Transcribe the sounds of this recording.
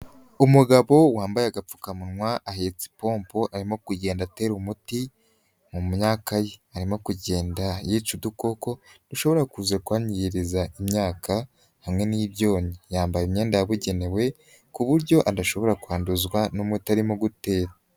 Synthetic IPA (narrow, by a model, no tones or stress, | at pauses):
umuɡaβo̞waːmbajaɡap͡fu̥kamunŋwaʔahet͡si̥po̞ːmpo̞ʔaɾimo̞kuɟe̞ːndate̞ːɾumuti | mummɲaːkajeaɾimo̞kuɟe̞ːndajiːt͡ʃuduko̞ko̞d̥uʃo̞βo̞ɾakuzekuwaːɲijiɾizaʔimɲaːka | hamŋe̞niβjo̞ːɲijaːmbajemɲe̞ːndajaβuɟe̞ne̞we̞ | kuβuɾɟo̞ʔadaʃo̞βo̞ɾakuaːnduzwanomwetaɾimoɡute̞ːɾa